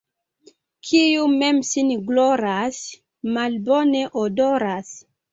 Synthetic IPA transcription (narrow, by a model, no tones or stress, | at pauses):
kʰijumemsinɡloɾas | malboneʔodoɾas